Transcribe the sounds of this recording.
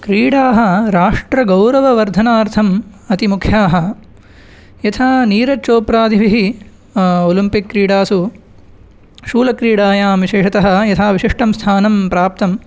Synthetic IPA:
kɾiːɽaːɦɐɾaːʂʈɾɐɡɐwɾɐʋɐʋɐɾd̪ʱɐnaːɾt̪ʰɐm | ɐt̪imukʰjaːɦɐ̆ | jɐt̪ʰaːniːɾɐt͡ʃoːpɾaːd̪ʱiʋiɦi | olimpikːɾiːɽaːsu | ʃuːlɐkɾiːɽaːjaːmʋiʃeːʂɐt̪ɐɦɐ̆jɐt̪ʰaːʋiʃiʂʈʰɐmst̪ʰaːnɐmpɾaːp̚t̪ɐm

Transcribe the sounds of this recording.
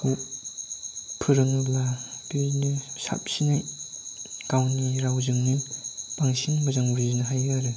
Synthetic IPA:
u | pʰɯɾɯŋɯbabiznɯsa̰p̚sinɯ | kawniɾawzɯŋnibaŋsiŋmɐzaŋbiznɯɦajɡaɾɯ

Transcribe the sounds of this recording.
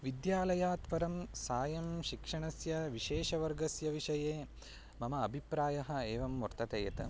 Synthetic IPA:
ʋid̪jaːlɐjaːt̪pɐɾɐmsaːjɐmʃikʂɐɳɐsjɐʋiʃeːʂɐʋɐɾɡɐsjɐʋiʂɐjeː | mɐmɐɐbʱipɾaːjɐɦɐ̆eːʋɐmːuɾt̪ɐt̪ejɐt̪ɐ̰

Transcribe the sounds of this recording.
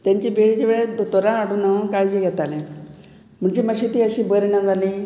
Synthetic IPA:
t̪jaɲt͡ɕebeɭit͡ɕeʋeɭed̪ot̪oɾãːɽunaʋkajd͡ʑiɡʱɛt̪alẽ | m̤əɳt͡ɕiməɕit̪iːəɕiːbəɾɳad͡zʱaliː

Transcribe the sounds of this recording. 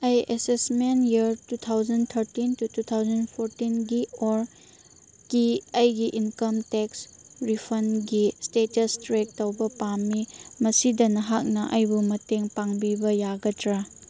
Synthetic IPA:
ɐjʔesesmenjiɐɾtut̪ʰawd͡ʒɐnt̪ʰɐɾtintutut̪ʰawzɐnpʰoɾtinɡioɾ | kiɐjɡiʔinkɐmteks | ɾipʰɐnɡistetɐstɾek̚tɐwbɐpamːimɐsidɐnɐɦak̚nɐʔɐjbumɐteŋpaŋbibɐjaɡɐtɾa

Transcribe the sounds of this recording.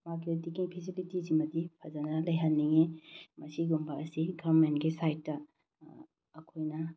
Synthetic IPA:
makiudikiŋpʰisilitizimɐdipʰɐzɐnɐlɐjɦɐnːiŋemɐsiɡumbɐɐsiɡaɾmentɡisajtːɐ | kʰojnɐ

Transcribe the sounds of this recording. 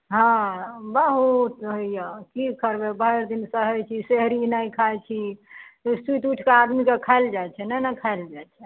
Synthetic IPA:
ɦãbəɦut̪ɦəijakikəɾbebəɾd̪insəɦɛjt͡ʃʰiseɦɾinəjkʰajt͡ʃʰiostiʈ̪uʈʰkead̪mikekʰaeld͡ʒajt͡ʃʰɛnɛnakʰaeld͡ʒajt͡ʃʰɛ

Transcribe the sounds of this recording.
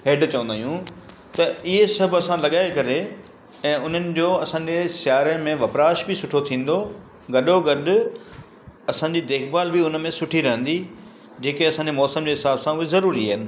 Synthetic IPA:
ɦeːɖt͡ɕɐʋə̃nd̪aːɦjũ | t̪ɐɪɦesɐbʱɐsãlɐɠaːekɐɾe | ɛ̃ːʊn̤ənɪ̆d͡ʑoːɐsãːɲd͡ʑesjaːɾəmẽʋɐpɾaːʃbɪsʊʈʰot̪ʰĩːn̆d̪o | ɡɐɗoɡɐɗʊ̆ | ɐsãːɲd͡ʑid̪eːkbaːlbɪʊnmẽsʊʈʰiɾɐɦə̃nd̪i | d͡ʑeːkeɐsãːɲd͡ʑemɔːsəmd͡ʑeːɦɪsaːbsãʊɦezɐɾuːɾiaɦɪnɪ̆

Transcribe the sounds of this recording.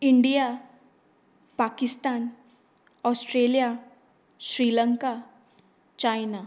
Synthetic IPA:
ɪɳɖija | paːkɪst̪aːn | ɔːsʈɾeːlija | ʃɾiːləŋka | t͡ʃaːjna

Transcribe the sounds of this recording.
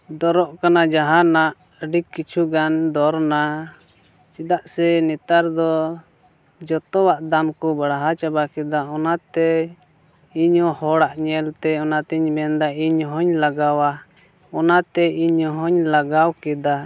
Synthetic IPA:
d̪ɔɾɔʔkanad͡ʒaɦanaʔ | əɖikːit͡ʃʰuɡand̪ɔɾna | t͡ʃid̪aʔsɛnɛt̪aɾd̪ɔ | d͡ʒɔt̪ɔwaʔd̪amkɔbaɽaɦat͡ʃabakɛd̪aɔnat̪ɛ | iɲɔhɔɽaʔɲɛlt̪ɛɔnat̪ɛɲbɛnd̪aiɲɦɔɲlaɡawa | ɔnat̪ɛiɲɔɦɔɲlaɡawkɛd̪a

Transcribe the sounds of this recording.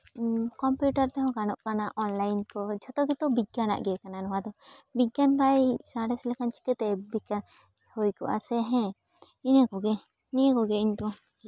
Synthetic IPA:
kɔmpjuʈaɾt̪ɛɦɔ̃ɡanɔʔkanaʔɔnlajnkɔd͡ʒɔt̪ɔɡɛt̪ɔbiɡana̰ʔɡɛkananɔwad̪ɔbiɡanbajsaɽɛslɛkant͡ʃi̥kɛt̪ɛbikan | hojkɔ̰ʔa̰sɛɦɛ̃ | iɲakɔɡɛ | niəkɔɡɛiɲt̪ɔ

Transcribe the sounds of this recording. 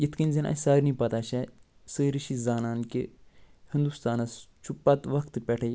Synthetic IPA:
jit̪ʰkinʲzɐnʔɐ̰saːɾnipɐt̪aʃɐ | səːɾiʃizaːnaːnkihind̪ust̪aːnɐst͡ʃʰupːat̪ʋɐkt̪pʲɛʈʰɐj

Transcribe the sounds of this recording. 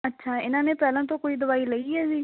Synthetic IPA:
əːʃʰaːɪnãːneːpɛːlãːt̪̬õːkoːiːd̪ʊβaːiːləiːɦɛːsiː

